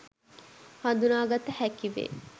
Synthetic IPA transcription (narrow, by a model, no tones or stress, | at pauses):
hand̪unaːɡat̪ːəhækiʋḛː